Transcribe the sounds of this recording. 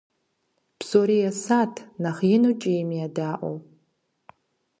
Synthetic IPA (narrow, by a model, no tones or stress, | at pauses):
b̥soɾijasatʰnaχjɪnut͡ʃʼiimijadaʔʷʼo̰w